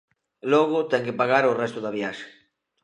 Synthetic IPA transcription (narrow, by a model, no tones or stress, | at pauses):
loɣot̪ɛŋkepaɣaɾorɛst̪ʊðaβjaʃe̥